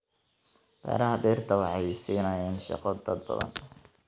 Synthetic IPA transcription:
bɛ̰ːɾɐɦɐbiːrt̪ʰɐwɑħɑjsiːnɐjɛnʃɑ̰qɔd̪ɐd̪bɐ̰ðɐ̰n

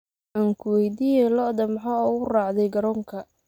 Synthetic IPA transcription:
ʔaːŋkʰʊwɛjd̪iːjɛjlɔd̪ɐmħauʊrɑːʕd̪ɛjɡɐɾɔːŋkʰɐ

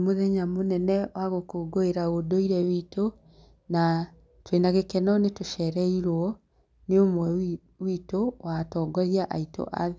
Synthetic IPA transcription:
moðɛɲamonɛnɛwaɣokoːɡoeɾaodoiɾɛwito | na | twenaɣekɛnɔnetoʃɛɾɛiɾwɔ | neomwɛ | witowatɔːɡɔɾjaʔaito̰ʔa̰ðe

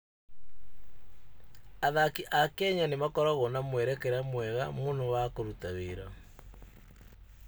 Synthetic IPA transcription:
aðakiʔakɛɲanemakɔɾaɣonamwɛɾɛkeɾamwɛɣamonowakoɾutaweɾa

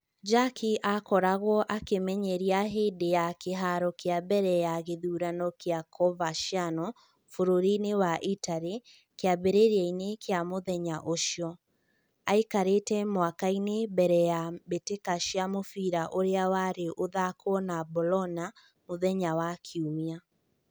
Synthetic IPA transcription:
d͡ʒakʰiʔakɔɾaɣwɔʔakemɛɲɛɾiaɦeːdejakeɦaɾɔkeabɛɾɛjaɣeðuɾanɔkeakʰɔvaʃjanɔ | foɾoɾinewaʔitaɾe | keaβeɾeɾainekeamoðɛɲaʔoʃjɔ | aikaɾetɛmwakainebɛɾɛjabetekaʃiamofiɾaʔoɾeawaɾeʔoðakɔnabolɔna | moðɛɲawakʰeumia

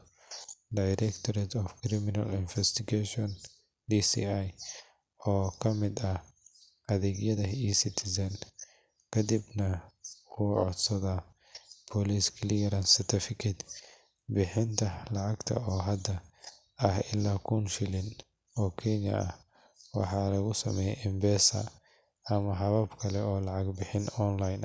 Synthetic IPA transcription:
d̪ɐjɾɛkt̪ʰɔɾɛt̪ʰɔfkʰɾɪmɪnɐlɪnfɛst̪ɪɡɛʃɔn | d̪isḭaj | ɔːkʰɐmɪd̪ɐh | ɐðɛːɡjɐðɐiːsɪt̪ʰɪsɐn | kʰɐd̪ibnɐuːʕɔ̰d̪sɐðɐ | pʰɔlisklijɐɾɐnsɪt̪ʰɐfɪkʰɪd̪ | bɪħɪnt̪ʰɐlɑʕɑɡt̪ʰɐ̰ɔːɦɐd̪ɐ | ɐhɪlːaːkʰuːnʃɪlɪn | ɔːkʰɛnjɐ̰ʔɐ̰h | wɑ̰ħɑːlɐɣʊsɐmɛːjɛʔɪmbɛːsɐ̰ | ɐmɐɦɐβɐbkʰɐlɛɔːlɑʕɑɡbɪħɪnɔnlɐjn

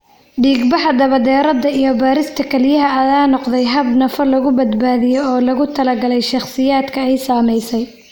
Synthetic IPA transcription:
ɖiːɡbɑħɐd̪ɐβɐd̪ɛːɾɐd̪ɐijɔbaːɾɪst̪ʰɐkʰɛljɐɦɐɐðaːnɔqd̪ɛjɦɐbnɐfɐlɐɣʊbɐd̪baːðɪjɔɔːlɐɣʊt̪ʰɐlɐɡɐlɛjʃɑχsɪjaːd̪kʰɐɛjsaːmɛjsɛj

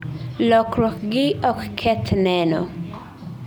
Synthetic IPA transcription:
lɔkɾɔkɡɪɔkkʰːɛt̪nɛnɔ̰

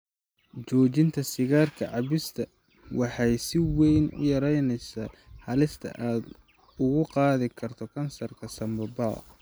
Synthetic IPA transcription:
t͡ʃɔːt͡ʃɪnt̪ʰɐsɪɣaːrkʰɐʕɑβɪst̪ʰɐ | wɑħɑjsɪwɛjnʊ̰jɐɾɛjnɛjsaːhɐlɪst̪ʰɐ̰ʔaːd̪ | ʊɣʊqɑːðɪkʰɐrt̪ʰɔkʰɐnsɐrkʰɐsɐmbɐba̰ː

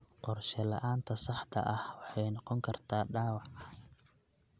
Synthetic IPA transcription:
qɔrʃɛlɐ̰ʔaːnt̪ʰɐsɑħt̪ʰɐ̰ʔɐhwɑħɑjnɔqɔŋkʰɐrt̪ʰaːɖaːwɑʕɐ

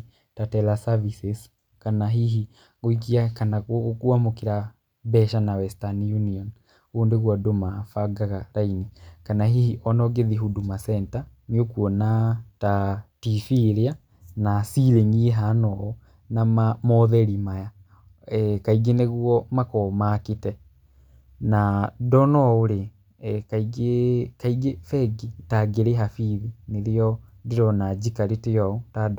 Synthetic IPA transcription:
tatɛlasavises | kanaɦiɦi | ɣoik̬iakanakwamokiɾa | bɛʃanawɛstanjuniɔn | oːndeɣwadomafaɡaɣaɾainikanaɦihiʔɔnɔɡeðiɦudumasɛntaniokuɔnatatifiɾea | nasiɾeŋiɛɦanɔɔ | namamɔðɛɾimaja | kaiɡeneɣwɔmakɔmakitɛ | nadɔnɔoɾe | kaiɡekaiɡefɛɡitaɡeɾeɦafiðineɾeɔdeɾɔnad͡ʒikaɾetejɔɔtad

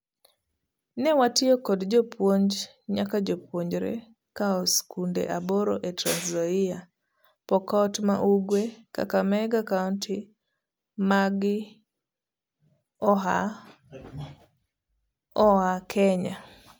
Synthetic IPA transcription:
nɛwatɪɔkɔdd͡ʒɔpʰwoɲd͡ʒ | ɲakad͡ʒopwoɲd͡ʒɾɛ̰ | kaɔskundɛ̰ʔabɔɾɔʔɛtɾanzɔia | pɔkɔtma̰ʔuɡweka̰kamɛɡakauntʰi | maɡi | ɔɦa | ɔakʰɛɲa

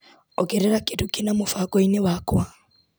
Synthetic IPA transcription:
ɔɡɛɾɛɾakedukenamofaɡɔinewakwa

